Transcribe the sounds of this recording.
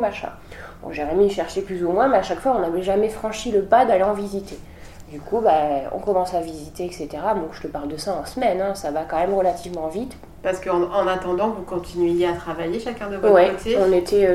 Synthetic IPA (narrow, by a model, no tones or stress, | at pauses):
maʃɛ̰̃ | ɔ̰̃ʒeʁɛmiʃɛʁʃeplyzumwɛ̃mɛaʃakfwaɔ̃navɛʒamɛfχɑ̃ʃiləpad̪aleɑ̃vizit̪e | d̪ykʰubaɔ̰̃kɔmɑ̃savizit̪eɛkset̪eʁamɔ̃ʒ̥ət̪əpaʁld̪əsaɑ̃səmɛnɛ̃savakɑ̃mɛmʁəlat̪ivmɑ̃vit̪ | paʁsə̥kəɑ̃ɑ̃nat̪ɑ̃d̪ɑ̃vukɔ̃t̪inɥejeat̪χavajeʃakʲɛ̃d̪əvɔwɛot̪eɔ̃net̪ʰɛ